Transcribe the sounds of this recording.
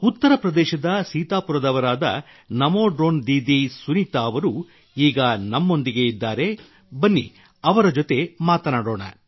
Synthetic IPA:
ut̪ːɐɾɐpɾɐd̪ɛːʃɐd̪ɐsiːt̪aːpuɾɐd̪ɐʋɐɾaːd̪ɐ̰ | nɐmoːɖɾoːnd̪iːd̪isunit̪aːɐʋɐɾu | iːɡɐnɐmːo̞nd̪iɡe̞id̪ːaːɾe̞ | bɐnːḭ | ɐʋɐɾɐd͡ʒot̪e̞maːt̪ɐnaːɽo̞ːɳɐ̰

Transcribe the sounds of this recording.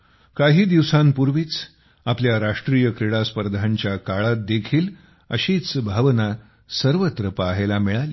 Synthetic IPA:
kaɦiːd̪iʋsampuɾʋiːt͡s | apljaɾaʂʈɾijəkɾeɽaspəɾd̪ʱaɲt͡ɕjakaɭat̪̚d̪ekʰiːl | ə̰ɕiːt͡sbʱaʋna | səɾʋət̪ɾəpaːɦelamiɭaliː

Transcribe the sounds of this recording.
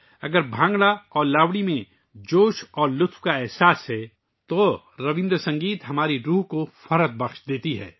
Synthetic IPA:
ɐɡəɾbʱãːŋɡɽaɔːɾlaːʋɽimẽ | d͡ʒoːʃɔːɾlʊt̪ʰwkaɛɦsaːsɦɛ | t̪o | ɾɐʋɪ̃nd̪ɾsɐ̃ŋɡiːt̪ɦɐmaːɾiɾuːɦkofɐɾət̪̚bɐxʃd̪eːt̪iɦɛ̰ː

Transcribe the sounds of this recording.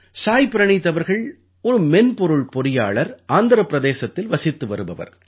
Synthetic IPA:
saːjpɪɾɐɳɪt̪ːɐʋɐɾɣɐɭ | ɔɾɯmɛnpɔɾɯɭpɔɾɪjaːɭɐɾaːnd̪ɐɾɐpːɪɾɐðeːsɐt̪ːɪlʋɐsɪt̪ːɯʋɐɾɯbɐʋɐ̰ɾ

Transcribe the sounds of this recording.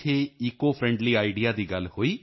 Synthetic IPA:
eːiːkoːpʰɾɛ̃ːɳɖliːaːɪɖɪjaːd̪iːɡəlhoːiː

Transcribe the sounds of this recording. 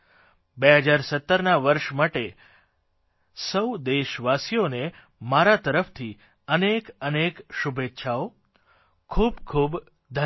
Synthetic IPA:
beɦəd͡ʒaɾsət̪ːəɾnaʋəɾʃmaʈe | səwd̪eʃʋasijone | maɾat̪əɾəft̪ʰi | ənekənekʃubet̪ːʃʰao | kʰubkʰub | d̪ʱə

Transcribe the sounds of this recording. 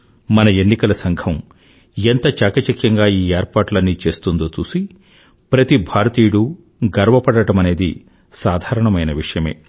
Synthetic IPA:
mɐnɐe̞nːikɐlɐsɐŋɡʰɐm | ent̪ɐt͡ʃaːkɐt͡ʃɐkjɐŋɡaːiːeːɾpaːʈlɐnːit͡ʃe̞ːst̪und̪oːt͡ʃuːsi | pɾɐt̪ibʱaːɾɐt̪iːjɽu | ɡɐɾʋɐpɐɽɐʈɐmɐne̞ːd̪ḭ | saːd̪ʱaːɾɐɳɐmɐjnɐʋiʂɐjɐme̞̰ː

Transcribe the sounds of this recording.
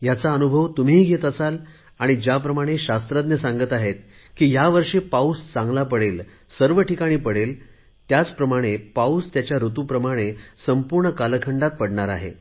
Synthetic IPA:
jat͡saənubʱəʋt̪um̤iɦɡʱet̪əsal | aɽ̃id͡ʑjap̬ɾəmaɽ̃eɕast̪ɾəd̪nəsãŋɡət̪aɦet̪ | kiːjaʋəɾʂepaust͡sãŋɡlapəɽel | səɾʋəʈikaɽ̃iːpəɽel | t̪jat͡spɾəmaɽ̃epaust̪jat͡ɕjaɾut̪upɾəmaɽ̃esəmpuɾɳəkaləkʰəɳɖat̪̚pəɽɳaɾa̰ɦe

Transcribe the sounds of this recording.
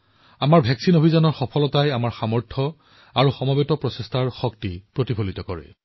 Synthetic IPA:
amaɹbʱɛksinobʱizanɔɹxɔpʰɔlɔtajamaɹxamɔɹtʰɔ | aɹuxɔmɔbetɔpɹɔsestʰaɹxɔk̚tipɹotibʱolitɔkɔɹɛ̰

